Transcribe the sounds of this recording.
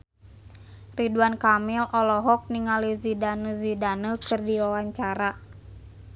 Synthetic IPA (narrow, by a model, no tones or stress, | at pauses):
riduankamilɔlɔɦɔk̚niŋalizidanuzidanəkɨrdiwawaɲt͡ʃaɾa